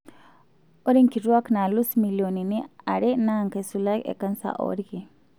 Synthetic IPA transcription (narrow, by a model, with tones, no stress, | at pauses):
o˦ɾi˦ŋki˨twa˦kna˨lu˦smi˨ljo˨ni˨ni˦a˨ɾe˦na˦ŋke˨su˨la˦kḛ˨ka˦nsa̰˨ʔɔ̰ɾki˨